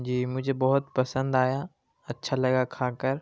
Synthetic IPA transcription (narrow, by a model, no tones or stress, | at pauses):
d͡ʒiːmʊd͡ʒʱebɔɦʊt̪pɐsə̃nd̪aːja | ɐtːʃʰalɐɡakʰaːkəɾ